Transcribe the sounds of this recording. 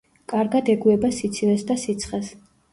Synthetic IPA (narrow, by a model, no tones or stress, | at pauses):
kʼaɾɡad̪ɛɡuɛbasit̪sʰilɛsd̪asit̪sʰχɛs